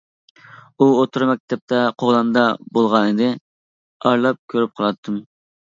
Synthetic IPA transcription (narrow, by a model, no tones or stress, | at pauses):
uot̪ʰuɾmɛk̚ʲt̪ʰɛp̚t̪ɛqʰoʁlɑnd̪ɑbolˠʁɑnɨd̪ɪ | ɑɾlˠɑp̚kʲʰøɾyp̚qʰəlˠɑt̪ʰːɨm